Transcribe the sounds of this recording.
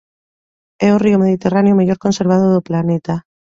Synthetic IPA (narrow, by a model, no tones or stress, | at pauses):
ɛoriomeðit̪eranejomeʎoɾkonseɾβ̞að̞oðoplanet̪a